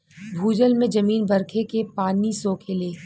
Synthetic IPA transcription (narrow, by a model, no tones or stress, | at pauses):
bʱuːd͡ʒəlmẽd͡ʒɐmiːnbɐɾkʰekepaːnisoːkʰeleː